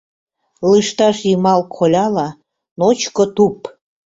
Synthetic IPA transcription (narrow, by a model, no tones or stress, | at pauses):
lɨʃt̪ɑʃjimɑlkʰolʲɑlɑ | not͡ɕkot̪up